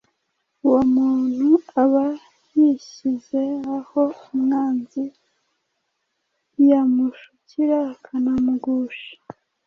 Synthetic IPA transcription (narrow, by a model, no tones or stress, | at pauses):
uwomuːn̥huaβa | jiɕize̞aho̞umŋaːnzi | jamuʃuciɾakʰanamuɡuːʃi̥